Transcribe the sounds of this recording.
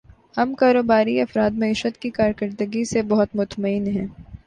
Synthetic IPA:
hɐmkaːɾoːbaːɾiɐfɾaːd̪mɐiːʃət̪kikaːɾkɐɾd̪əɡisebɐɦʊt̪mʊt̪məɪnɦɛ̃ː

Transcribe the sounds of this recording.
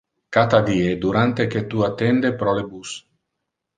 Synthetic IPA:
kat̪ad̪iːed̪uɾant̪eket̪uat̪ːɛnd̪epɾɔlebus

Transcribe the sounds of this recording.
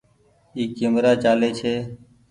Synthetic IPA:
iːkɪmɾaːt͡ʃaːleːt͡ʃʰeː

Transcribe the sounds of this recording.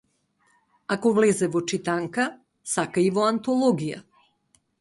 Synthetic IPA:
akovlɛzɛvot͡ʃit̪aŋka | sakaivɔant̪olˠɔɡija̰

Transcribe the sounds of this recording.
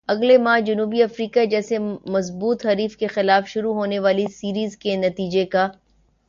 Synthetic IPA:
ɐɡlemaːd͡ʒɐnuːbiɐfɾiːkad͡ʒɛːsemɐzbuːt̪ɦɐɾiːfkexɪlaːfʃʊɾuɦoːneʋaːlisiːɾiːzkenɐt̪iːd͡ʒeka

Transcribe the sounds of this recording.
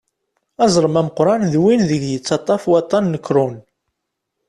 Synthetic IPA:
ɑzˤɾˤəmæməqɾˤɑnðwinðəɡjət͡sːɑt̪ˤːɑfwɑt̪ˤːɑnːəkːɾʊn

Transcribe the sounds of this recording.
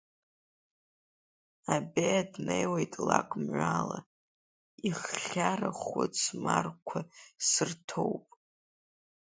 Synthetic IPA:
abejadnejwejtʼlakʷʼmʕʷala | iχːʲaraχʊt͡sʰmarkʷʰasɨrtʰo̞wpʼ

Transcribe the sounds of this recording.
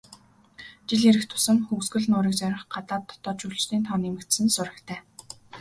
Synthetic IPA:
t͡ɕiɮiɾɘ̆kt̪ʰʊ̥sə̆ŋxuwsɡɘ̆ɮnʊːɾiːkt͡sæɾʲɪ̆χɢat̪aːt̪ʰːɔ̥t̪ɔːt͡ɕʰuɮt͡ɕt̪ʰiːnt̪ʰɔnemɘ̆kt̪sɘ̆nsʊɾə̆kt̪ʰæː

